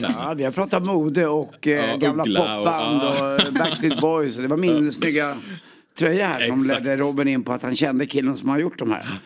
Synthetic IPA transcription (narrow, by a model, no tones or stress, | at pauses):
vɪhapʰɾɑːt̪amuːd̪əɔkːɡamlapʰɔpːand̪ɔbæksɪt̪̚bɔjsɔd̪ɛvaɾmɪnəsnʏɡːa | t̪ʰɾœjːahæ̰ːʂɔmlɛd̪ːəɾuːbɪnɪnːpʰɔat̪hanɕɛnd̪əkʰɪlːənsɔmhanaɾjʊʈːd̪ɔmhæ̰ːɾ